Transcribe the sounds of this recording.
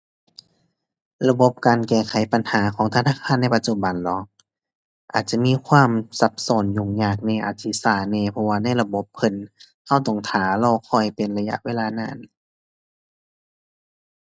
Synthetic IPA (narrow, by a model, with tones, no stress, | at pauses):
la˧bo˧˦p̚kaː˨nkɛː˧˩kʰa˨˦jpa˨nhaː˨˦kʰɔː˨˦ŋt̪ʰa˧naː˧˥˨kʰaː˧˥˨nːa˧˥˨jpa˧t̪̚t͡ɕu˧˨ba˨nlɔː˨˦ | ʔa̰ː˨˩t̪̚t͡ɕa˧˨miː˧˥˨kʰwaː˧˥˨msa˧˦p̚sɔː˨˩˦nɲuː˧˩ŋɲaː˧˩k̚nɛː˧˩ʔaː˨˩t̪̚si˧saː˧˩nɛː˧˨pʰɔ˧waː˧na˧˥˨jla˧bo˧˦p̚kʰɤ˧˩˨n | ha˧˥˩wt̪ɔ˧˩ŋt̪ʰaː˨˦lɔː˧˩kʰɔ˧˩jpe˨˩nla˧ja˧ʔweː˧˨laː˧naː˧˩˨n